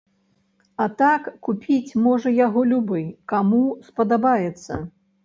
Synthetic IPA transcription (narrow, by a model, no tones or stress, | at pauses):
ɐt̪akːupʲʰit͡sʲmɔʐɐjaɣɔlʲubɨjkamuspɐd̪abajɛt̪sːɐ̰